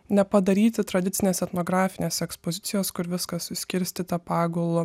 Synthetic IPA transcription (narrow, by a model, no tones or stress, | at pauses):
nʲɛpɐd̪ɐɾʲiːt̪ʲɪt̪ɾɐd̪ʲɪt̪sʲɪnʲeːsɛt̪noːɡɾɑːfʲɪnʲeːsʲɛkspozʲɪt̪sʲɪjoːskʊɾʋʲɪskɐssʲkʲɪɾʲsʲt̪ʲiːt̪ɐpɑːɡolˠʊ